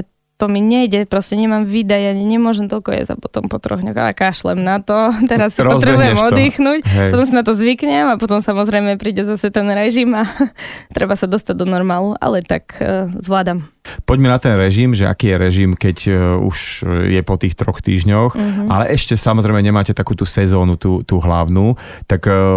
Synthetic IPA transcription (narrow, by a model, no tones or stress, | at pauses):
t̪ɔmiɲɛjɟɛpɾɔscɛɲɛmamʋiːd̪ajaɲɲɛmʊɔʒɛmt̪ɔlkɔjɛ̰za̰pɔt̪ɔmpɔt̪ɾɔ̰ɣɲɔxa̰kaːʃlɛ̰mnat̪ɔt̪ɛɾasːiɾɔzbɾɛbujɛmɔd̪iːxnucɦɛpɔt̪ɔms̬inat̪ɔzʋikɲɛmapɔt̪ɔmsamɔzɾɛjmɛpɾiːɟɛzasɛt̪ɛnɾɛʒimat̪ɾɛbasad̪ɔst̪aɟ̚d̪ɔnɔɾmaːluʔa̰lɛt̪a̰kzʋlaːd̪ampɔɟmɛnat̪ɛnɾɛʒimʒɛʔa̰kiːjɛɾɛʒimkɛɟṵʃjɛpɔt̪iːxt̪ɾɔxt̪ḭːʒɲɔxalɛʔɛʃcɛsamɔzɾɛɪmɛɲɛmaːcɛt̪akuːt̪uːsɛzɔːnut̪uːt̪uːɦla̰ʊnuː | t̪ak